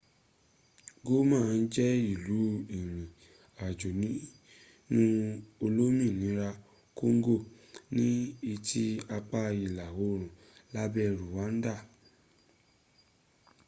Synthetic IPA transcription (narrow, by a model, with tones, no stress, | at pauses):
ɡo˦mãː˦˨˧n̩˦d͡ʒɛ˦i˦˨lu˨˦i˨ɾ̃ĩ˨ | a˨d͡ʒo˨nĩ˨˦ | nũ˦o˧lo˦mĩ˦˨nĩ˨˦ɾa˧ | ko˦ŋ̩˦ɡo˦˨ | nĩ˦i˧tʰi˦a˧k͡pa˧˦i˨la˨wo˨˦˨ɾ̃ũ˨ | la˦bɛ˧ɾu˨wa˨˦n̩˦da˦˨